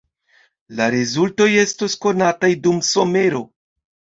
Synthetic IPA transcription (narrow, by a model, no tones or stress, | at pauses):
laɾezulto̞je̞stosko̞natajdumso̞me̞ɾo̞